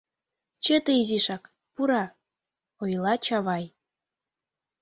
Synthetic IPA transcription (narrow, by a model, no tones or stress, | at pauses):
t͡ɕet̪eiziʃɑk | puɾɑ | ojlˠɑt͡ɕɑβɑj